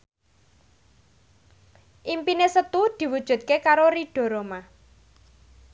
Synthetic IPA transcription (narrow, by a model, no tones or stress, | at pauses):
ʔimpinesət̪ud̪̥i̤wud̥ʒ̥ṳt̪̚kekaɾoɾiɖ̥ɔ̤ɾoma